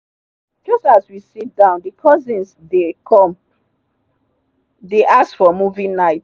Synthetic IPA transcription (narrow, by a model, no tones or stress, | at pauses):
d͡ʒʌstaswisit̚dãʊ̃ndəkʰɔzĩns | dekʰɔ̃m | deʔasfɔmuvĩŋnaɪt